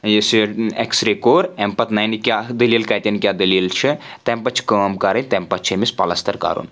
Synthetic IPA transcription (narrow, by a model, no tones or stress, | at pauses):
jesieksɾekoːɾempɐt̪nɐjnikʲad̪ililkɐt̪ʲɐnkʲjaːd̪ililt͡ʃʰit̪empɐt͡ʃʰi̥kəːmkɐɾɐnʲt̪ɐmpɐt̪t͡ʃʰemispɐlɐst̪ʰɐɾka̰ːɾṵːn